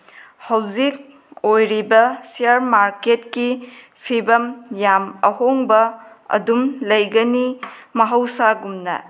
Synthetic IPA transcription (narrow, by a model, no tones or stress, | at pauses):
hɐwzik̚ | ojɾibɐsijaɾmaɾketki | pʰibɐmjamɐ̰ɦoŋbɐ | ɐ̰dumlɐjɡɐnimɐɦɐwsaɡumnɐ̰